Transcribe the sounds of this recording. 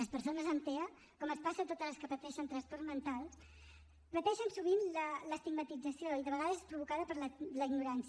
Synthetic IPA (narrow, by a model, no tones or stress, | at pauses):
ləspəɾsonəzənt̪eə | kɔməspasət̪ot̪əzləskəpət̪ɛʃənt̪ɾənspɔrzmənt̪alˠs | pət̪ɛʃənsuβinlələst̪iɡmət̪id͡zəsioiðəβəɣaðəzespɾuβukaðəpəɾlələiɡnuɾans